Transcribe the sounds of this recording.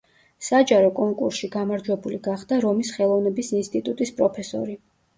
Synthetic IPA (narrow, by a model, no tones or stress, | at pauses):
sad͡ʒaɾɔkʼɔŋkʼṵɾsʃiɡamaɾd͡ʒwɛbuliɡaχd̪aɾɔmisχɛlˠɔvnɛbisinst̪ʼit̪ʼut̪ʼispʼɾɔpʰɛsɔ̰ɾi